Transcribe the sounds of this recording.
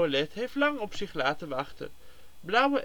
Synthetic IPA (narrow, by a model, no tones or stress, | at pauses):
əlɛtɦejftlɑŋɔpsɪχlaːtənʋɑχtə̰n | blʌwəʔ